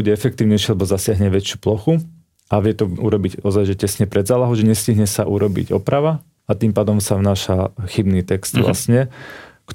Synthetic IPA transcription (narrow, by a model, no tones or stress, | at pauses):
uɟɛɛfɛk̚t̪iːʊɲɛjʃɪialɛbɔzasɪaɦɲɛʋɛt͡ʃɪuplɔxu | ʔaʋɪɛt̪ɔṵɾɔbiɟɔzajʒɛcɛsɲɛpɾɛd̪zaːlaɦɔʊʒɛɲɛsciɦɲɛsaʔuɾɔbḭɟɔ̰pɾaʋa | at̪iːmpaːd̪ɔmsaʋnaːʃaxibniːt̪ɛkst̪ʋla̰sɲɛk